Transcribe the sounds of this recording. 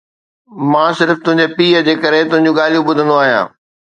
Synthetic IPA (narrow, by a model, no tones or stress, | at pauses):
mãːsɪɾft̪ʊ̃ɦɪ̃ɲd͡ʑepiːəd͡ʑeːkəɾet̪ʊ̃ɦɪ̃ɲd͡ʑũɠaːl̤ijũɓʊd̪ʱə̃nd̪oaːɦijã̰ː